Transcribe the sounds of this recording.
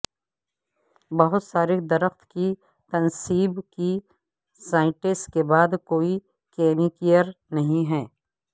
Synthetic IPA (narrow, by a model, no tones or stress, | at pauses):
bɐɦʊt̪saːɾid̪ɐɾəxt̪ki | t̪ɐnsiːbki | saːɪ̃ʈɪskebaːd̪koːi | keːnikijəɾ | nɐɦĩɦɛː